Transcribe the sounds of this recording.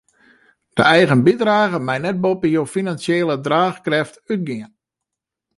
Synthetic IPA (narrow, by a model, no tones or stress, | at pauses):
d̥ə̰ɛjɣənbidraːɣəmɛjnɛt̚bopəjoːfinansjeːlədraːxkrɛftyt̚ɡɪən